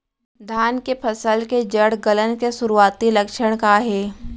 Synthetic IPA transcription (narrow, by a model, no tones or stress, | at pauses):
d̪ʱaːnkepʰɐsəlked͡ʒəɽɡələnkesʊɾuaːt̪ilɐkʃəɽ̃kaɦɛː